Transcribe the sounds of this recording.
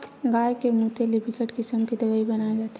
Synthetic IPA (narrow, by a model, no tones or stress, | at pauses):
ɡaːjkemut̪elibʱɪkəʈkɪsəmkid̪ɐʋaːibɐnajd͡ʒaːt̪